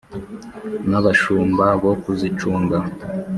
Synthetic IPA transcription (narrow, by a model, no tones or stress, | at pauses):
naβaʃuːmbaβokuzit͡ʃuːŋɡa